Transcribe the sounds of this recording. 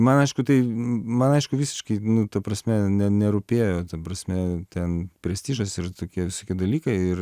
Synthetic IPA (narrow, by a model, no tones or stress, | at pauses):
mɐnɐɪʃkʊt̪ɐɪmɐnɐɪʃkʊʋʲiːsʲɪ̥ʃkɐɪnʊt̪ɐpɾɐsʲmʲɛnʲɛnʲɛɾʊpʲeːjoːt̪ɐpɾɐsʲmʲɛt̪ʲɛnpʲɾʲɛsʲt̪ʲiːʒɐsɪrt̪oːkʲiɛʋʲɪsoːkʲiɛd̪ɐlʲiːkɐɪɪr